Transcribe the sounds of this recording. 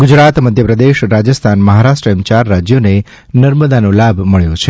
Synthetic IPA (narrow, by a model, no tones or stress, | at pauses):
ɡud͡ʒɾat̪məd̪ʱjəpɾəd̪eʃɾad͡ʒəst̪ʰanməɦaɾaʃʈɾəmt͡ʃaɾːad͡ʒjone | nəɾməd̪anolabʱməɭjõt͡ʃʰe